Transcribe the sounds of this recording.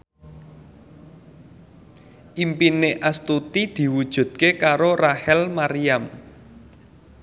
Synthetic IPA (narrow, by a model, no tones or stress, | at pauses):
ʔimpineʔast̪ut̪id̪̥i̤wud̥ʒ̥ṳd̪̥̚kekaɾorahɛlmaɾiam